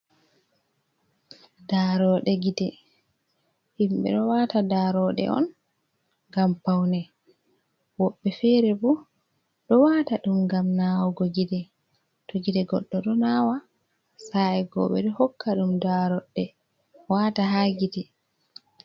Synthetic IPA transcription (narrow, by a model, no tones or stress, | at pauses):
daɾɔɗɛɡidɛ | himɓɛ̰ɗɔwatadaɾɔɗɛ̰ʔɔ̰n | ɡampawnɛ | wɔɓːɛfɛɾɛbu | ɗɔwataɗumɡamnawɡɔɡidɛ | toɡidɛɡɔɗːɔɗɔnawa | saɛɡɔ̰ɓɛɗɔhɔkːaɗumdaɾɔɗːɛ | wataɦaɡitɛ